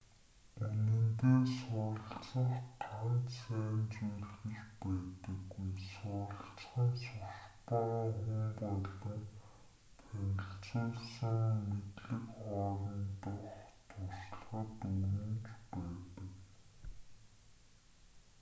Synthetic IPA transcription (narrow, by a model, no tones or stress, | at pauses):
enɘ̆nt̪eːsʊːɾə̆ɬt͡sə̆χtʰant̪sæːnt͡sujr̆xɘ̆ɮpæːt̪ə̆kusʊːɾə̆ɬt͡sχə̆ŋsʊspɔŋχʊmpɔɮə̆n | t̪ʰænʲɪ̆ɬt͡sʊːɮsə̆ŋmet̪ɮɘ̆kχɔːɾɞ̆nt̪ʊχt̪ʰʊss̆ɮχə̆t̪uwɘ̆nt͡ɕpæːt̪ə̆k